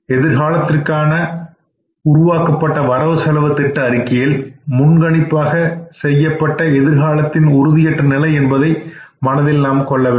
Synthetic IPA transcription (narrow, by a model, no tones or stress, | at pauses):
ɛðɪɾɣaːlɐt̪ːɪrkaːnɐ | ʊɾʊʋaːkɐpːɐʈːɐʋɐɾɐʋɯsɐlɐʋɐt̪ːɪʈːɐɐɾɪkːɪjɪlmʊnɡɐɳɪpːaːɣɐsɛjːɐpːɐʈːɐɛðɪɾɣaːlɐt̪ːɪnʊɾʊðɪjɛʈːrɐnɪlɐɪɛnbɐðɐɪmɐnɐðɛlːaːmkɔɭːɐʋeː